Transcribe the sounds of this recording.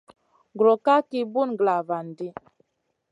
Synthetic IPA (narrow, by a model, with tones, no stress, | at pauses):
ɡɾɔ˨ka˦ki˦bu˦n˨ɡla˨va˨n˨di˦